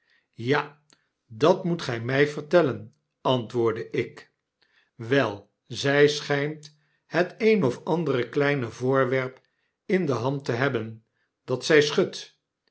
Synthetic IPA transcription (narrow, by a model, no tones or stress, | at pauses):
ja | dɑtmutχɛjmɛjvəɹtɛlən | ɑntʋʊːɹdəʔɪk | ʋɛlˠ | zɛjsχɛjmt | hətejnɔfɑndərəklɛjnəvʊːɹʋɛɹp | ɪndəɦɑntəɦɛbən | d̥ɑtsɛjsχɵt